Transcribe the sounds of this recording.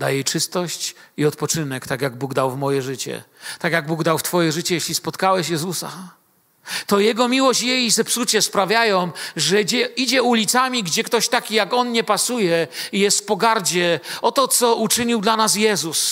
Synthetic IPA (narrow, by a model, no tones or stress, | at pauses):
d̪a̰jɛjt͡ʂɘst̪ɔɕt͡ɕiɔt̪pɔt͡ʂɘnɛkt̪akjaɡ̚buɡd̪awvmɔjɛʐɘt͡ɕɛ̰t̪akʲjaɡ̚buɡd̪awft̪fɔjɛʐɘt͡ɕɛjeɕlʲispɔt̪kawɛɕjɛzusa̰ | t̪ɔjɛɡɔmʲiwɔɕt͡ɕjɛjzɛpsut͡ɕɛspɾavʲjajɔ̃w̃ʐɛd͡ʑɛid͡ʑɛulʲit̪samʲiɡd͡ʑɛkt̪ɔɕt̪akʲijakɔnɲɛpasujɛijɛst̪fpɔɡaɾd͡ʑɛɔt̪ɔt̪sɔut͡ʂɘɲiwd̪lanas̬jɛzus